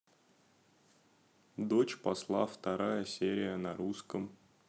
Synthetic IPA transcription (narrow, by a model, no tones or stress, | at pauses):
d̪ot͡ɕpɐslˠaft̪ɐɾajəsʲeɾʲɪjənɐɾuskəm